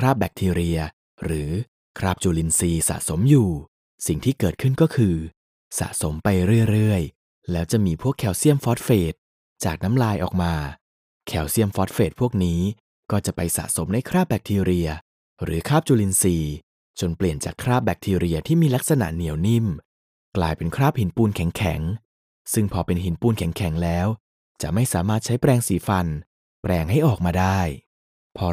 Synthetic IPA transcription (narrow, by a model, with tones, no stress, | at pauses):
kʰɾaː˥˩p̚bɛ˨˦˩k̚t̪ʰiː˧ɾi˧ɐ | ɾɯː˩˦ | kʰɾaː˥˩p̚t͡ɕuː˧li˧nsiː˧sa̰˨ʔso˨˩˦mjuː˨˩ | si˨˩ŋt̪ʰiː˥˩kɤː˨˩t̪̚kʰɯ˥˩nkɔː˥˩kʰɯː˧ | sa̰˨˩ʔso˩˦mpa˧jɾɯ˥˩əjɾɯ˥˩əj | lɛː˦˥wt͡ɕa˨˩miː˧pʰu˥˩əkʰːɛ˩˦wsi˥˩əmfɔː˦˥t̪̚feː˨˩t̪̚ | t͡ɕaː˨˩k̚na˦˥mɾaː˧jʔɔ̰ː˨˩k̚maː˧ | kʰɛ˩˦wsi˥˩əmfɔː˦˥t̪̚feː˨˩t̪̚pʰu˥˩ək̚niː˦˥ | kɔː˥˩t͡ɕa˨˩pa˧jsa̰˨˩ʔso˩˦mna˧˥jkʰɾaː˥˩p̚bɛ˨˩k̚t̪ʰiː˧ɾi˧ɐ | ɾɯ̰ː˩˦kʰaː˥˩p̚t͡ɕuː˧li˧nsiː˧ | t͡ɕo˧npli˨˩ənt͡ɕaː˨˩kʰɾaː˥˩p̚bɛ˨˧˩k̚t̪ʰiː˧ɾi˧ɐt̪ʰiː˥˩miː˧la˦˥k̚sa˧na̰˨˩ʔni˨˩˦wni˥˩m | klaː˧jpe˧nkʰɾaː˥˩p̚hi˨˩˦npuː˧nkʰɛ˩˦ŋkʰɛ̰˩˦ŋ | sɯ˥˩ŋpʰɔː˧pe˧nɦi˩˦npuː˧nkʰɛ˩˦ŋkʰɛ˨˩˦ŋlɛː˦˥w | t͡ɕa˨˩ʔma˥˩jsaː˩˦maː˥˩t̪̚t͡ɕʰa˦˥jpɾɛː˧ŋsiː˨˦fa˧n | pɾɛː˧ŋɦa˥˩jʔɔː˨˩k̚maː˧daː˥˩j | pʰɔː˧